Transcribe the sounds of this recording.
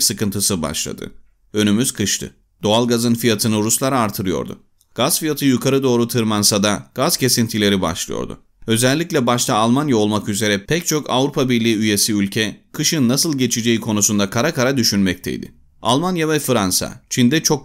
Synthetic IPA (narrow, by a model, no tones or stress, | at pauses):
sɯkɯnt̪ʰɯsɯba̰ʃlˠa̰d̪ɯ̰ | ø̞nymyz̥kʰɯʃt̪ʰɯ̰ | d̪̥o̞alˠɡazɯnfijat̪ʰɯnɯɾuslˠaɾaːɾt̪ʰɯɾɯjo̞̰ɾd̪ʊ̰ | ɡ̥azfijat̪ʰɯjukʰaɾɯd̪o̞ːɾut̪ʰɯɾmansad̪aɡ̥az̥cʰe̞sint̪ʰilʲe̞ɾiba̰ʃlˠɯ̰jo̰ɾd̪ʊ̰ | ø̞zɛlʲːicʲlʲɛbaʃt̪ʰaːlˠmanjao̞lˠmakyze̞ɾɛpʰɛc̚t͡ʃʰo̞kʰa̰vɾupʰabiɾlʲiːyje̞siylʲcʰɛkʰɯʃɯnːasɯlˠɟe̞t͡ʃʰid͡ʒe̞jikʰo̞nusund̪akʰaɾakaɾad̪yʃynmɛc̚t̪ʰɛ̰j̰d̪ɪ̰ | alˠmanjavɛfɯɾansa̰t͡ʃʰind̪ɛt͡ʃʰo̞k̚